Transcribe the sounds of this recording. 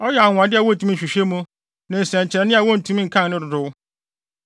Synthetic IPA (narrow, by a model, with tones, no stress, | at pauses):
ɔ˦jɛ˨a˨ŋ̃ʷ˨a˨dɪ˦a˨wɔ̃˦n̩˨tʰũ˨mĩ˦˨ɕᶣi˨ɕᶣe˦mũ˦ | nã˨n̩˨sɛ̃˨ɲ˨t͡ɕʰɪ˨ɛ˨nɪ̃˦a˨wɔ̃˦n̩˨tʰũ˦mĩ˦ŋ̩˨kʰã˦nnɪ̃˦dʊ˨dʊ˦w